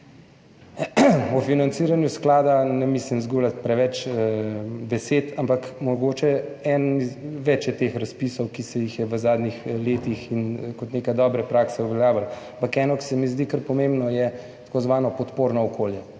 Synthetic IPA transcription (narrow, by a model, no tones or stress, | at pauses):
ɔfinant̪siːɾanjusklaːd̪anɛmislimzɡulat̪̚pɾɛʋɛt͡ʃ | bɛset̪ampakmɔɡoːt͡ʃɛɛniʋɛt͡ʃjɛt̪eːxɾaspisɔwkisɛjixjɛʋəzaːd̪nixleːt̪ixinkɔt̪neːkajd̪ɔːbɾɛpɾaksɛuʋɛljaːʋalampakɛːnɔki̥sɛmizd̪ikəɾpɔmembnɔjɛ | t̪ḁkozʋaːnɔpɔt̪poːɾnɔɔkʰoːljɛ